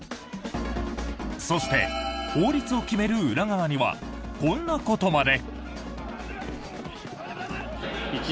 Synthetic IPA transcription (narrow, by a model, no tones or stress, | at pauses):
so̞ɕi̥t̪e̞̰ho̞ːɾʲit͡sɨo̞kʲime̞ɾɯ̟ɯɾaɡaβːɲ̟iβa̰ | kõ̞nːako̞t̪o̞mad̪e̞